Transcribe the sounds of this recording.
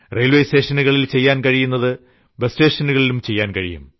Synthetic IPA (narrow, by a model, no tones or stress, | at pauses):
reːlʋejse̞ːʂɐnuɣɐɭilt͡ɕe̞jːaːnkɐɻijunːɐðɨ | besteːʂɐnuɣɐɭilumt͡ɕe̞jːaːnkɐɻḭjṵm